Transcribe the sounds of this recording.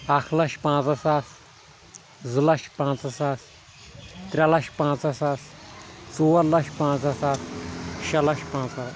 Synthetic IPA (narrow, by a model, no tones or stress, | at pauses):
akʰlɐʃpãːt͡sɐsaːs | zɨlɐʃpãːt͡sɐsaːs | t̪ɾʲalɐʃpãːt͡sɐsaːst͡soːɐɾlɐʃpãːt͡sɐsaːsʃɐlɐʃpãːt͡sa